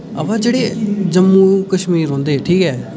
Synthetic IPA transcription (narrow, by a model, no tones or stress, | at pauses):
ə̰pãːd͡ʒeːɽeːd͡ʒəmːũːkəʃmiːɾɦõːnd̪eːʈʰiːkɦɛː